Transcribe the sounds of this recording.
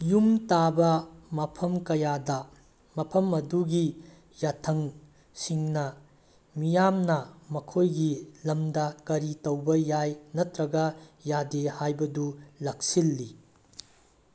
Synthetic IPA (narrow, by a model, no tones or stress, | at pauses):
jumtabɐmɐpʰɐmkɐjadɐ | mɐpʰɐmɐduɡi | jatʰɐŋ | siŋnɐ | mijamnɐmɐkʰojɡilɐmdɐkɐɾitɐwbɐjajnɐtɾɐɡɐjadehajbɐdulɐk̚silːi